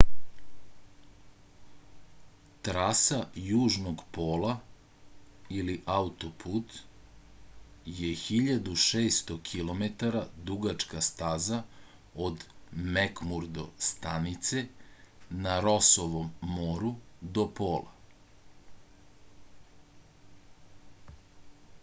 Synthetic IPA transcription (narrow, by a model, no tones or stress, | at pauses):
t̪ɾaːsajuːʒnoɡpoːlˠa | iliʔaut̪opʰut̪ | jexiʎad̪uʃeːst̪okʰilo̞met̪aɾad̪uɡat͡ʃkast̪aːza | od̪mekmuɾd̪o̞̰st̪anit̪se | naɾosoʋomːoːɾud̪o̞poːlˠa̰